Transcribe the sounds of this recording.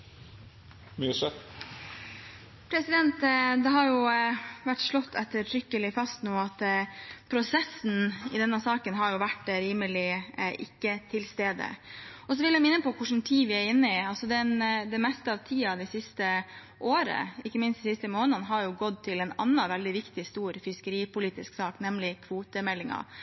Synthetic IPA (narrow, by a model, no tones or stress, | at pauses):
mjʉsə | pʰɾɛsɪd̪ɛnt̪d̪ɛɦɑɾjʊʋæʈːʂɭɔt̪ʰːɛt̪ːəɾʈʰɾʏkːəlɪfɑst̪nuːɑt̪pʰɾʊsɛsn̩ɪd̪ɛnːɑsɑːkənɦɑɾjʊʋæʈːɾiːməlɪʔɪ̰kːət̪ʰɪlst̪eːd̪ə̰ɔs̬ɔʋɪljɛmɪnːəpɔkʰʊʂn̩t̪ʰiːʋɪæɾɪnːəɪɑlsɔd̪ɛnd̪ɛmɛst̪əɑʋt̪ʰiːɑd̪ɛɪsɪst̪ə | ʔoːɾə̰ɪkːəmɪnst̪sɪst̪əmoːnənɦɑɾjʊɡɔd̪̚t̪ʰɪlɛnɑ̰nːɑʋɛld̪ɪʋɪkt̪ɪst̪uːɾfɪskəɾiːpʊliːt̪ɪsksɑːknɛmlɪkʰʋuːt̪əmɛlːɪŋɑ̰